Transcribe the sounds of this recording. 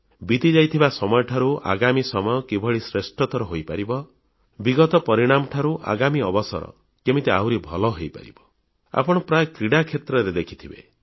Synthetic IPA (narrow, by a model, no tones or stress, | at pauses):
bit̪id͡ʒajt̪ʰibasɔmɔjɔʈʰaɾuʔa̰ɡamisɔmɔjɔkibʱɔɭisɾesʈɔt̪ɔɾɔɦojpaɾibɔ | biɡɔt̪ɔpɔɾiɽ̃amɔʈʰaɾuʔa̰ɡamiɔbɔsɔ̰ɾɔ̰ | kemit̪eawɾibʱɔlɔɦejpa̰ɾḭbɔ | a̰pɔɽ̃ɔpɾajɔkɾiɽakʰet̪ɾɔɾed̪ekʰi̥t̪ʰibḛ